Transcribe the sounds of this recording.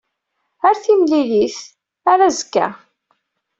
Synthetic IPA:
əɾθimliliθ | aɾæzəkːæ̰

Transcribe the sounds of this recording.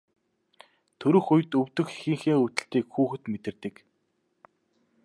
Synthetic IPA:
t̪ʰɵɾɵ̆xujt̪ɵwt̪ɵ̆xxiŋxiːŋɵt̪ɘ̆ɬt̪iːkxuːxɘ̆t̪met̪ɘ̆rt̪ɘ̆k

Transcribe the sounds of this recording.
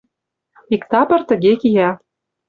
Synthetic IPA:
ikt̪ɑpɤ̆rt̪ə̆ɣekijɑ

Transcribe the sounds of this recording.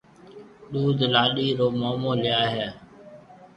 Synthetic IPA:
ɗuːd̪ʱlaːɗiːɾoːmoːmoːlɪjaːɦeː

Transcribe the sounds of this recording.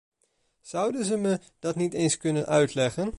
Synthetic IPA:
z̥ʌwdənzəmə | d̥ɑtnitejnskɵnənʔœɥtlɛχən

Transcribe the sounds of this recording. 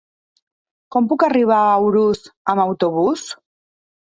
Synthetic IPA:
kɔmpukariβ̞aːwɾusamawt̪oβ̞us

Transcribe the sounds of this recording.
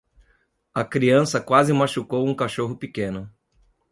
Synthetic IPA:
ɐkɾiɐ̃sɐkwazɪmaʃukowũkaʃoɦʊpikẽnʊ

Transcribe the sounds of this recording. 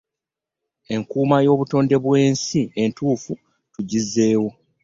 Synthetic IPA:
e̞ŋkuːmajo̞ːβuto̞ːnde̞βwe̞ːnsientuːfu | tuɟizːe̞ːwo

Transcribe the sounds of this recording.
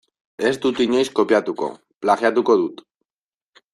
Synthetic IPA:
ezd̪ut̪iɲejskopjat̪uko̞̰ | plaɣjat̪uko̞ðut̪

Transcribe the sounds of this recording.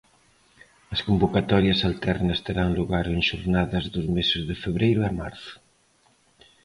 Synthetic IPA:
ɐskumbokat̪ɔɾjɐsalt̪ɛrnɐst̪eɾaŋluɣaɾeŋʃuɾnaðɐzðuzmesɪzðɪfeβ̞ɾejɾuama̰ɾθu̥

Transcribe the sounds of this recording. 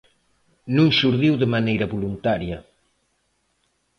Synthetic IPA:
nũŋʃuɾðiwðəmanejɾɐβulunt̪aɾjɐ

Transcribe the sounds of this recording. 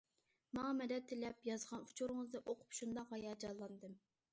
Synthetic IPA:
mɑŋɑmɛd̪ɛt̪ʰːɪlɛpjɑzʁɑnu̥t͡ʃʰoɾɨŋəzd̪ɨʔoqʰʊ̥pʃund̪ɑqːɑjɑd͡ʒɑlˠːɑnd̪ɨm

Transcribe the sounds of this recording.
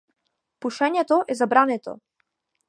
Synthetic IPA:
puʃɛɲɛt̪ɔʔɛzabɾanɛt̪ɔ̰

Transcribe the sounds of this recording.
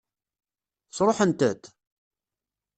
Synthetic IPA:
θt͡sːɾˤoħənt̪ət̪

